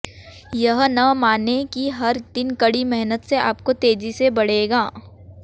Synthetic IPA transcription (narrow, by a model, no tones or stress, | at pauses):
jɐɦnɐmaːnekiɦɐɾd̪̥ɪnkɐɽimɛɦnət̪seaːpkot̪eːd͡ʒisebɐɽ̤eːɡaː